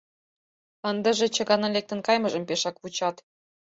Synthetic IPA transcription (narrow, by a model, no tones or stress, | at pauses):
ənd̪ə̆ʒĕt͡ɕɤ̆ɣɑnɑlek̚t̪ə̆nkɑjmɤ̆ʒɤ̆mpeʃɑkβut͡ɕɑt̪